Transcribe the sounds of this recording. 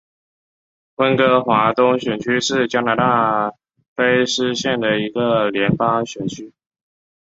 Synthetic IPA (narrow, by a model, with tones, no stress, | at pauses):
xwə˦˥nkɤ˧˥xwa˧˥t̪ʊ˥ŋɕɥɛ˨˩nt͡ɕʰy˥ʂɻ̩˥˩t͡ɕja˥na˧˥t̪a˥˩ | pe˥ɪʂɻ̩˥ɕjɛ˥˩nd̪ə˩i˧˥ɡə˨ljɛ˧˥npɑ˥ŋɕɥɛ˨˩nt͡ɕʰy˥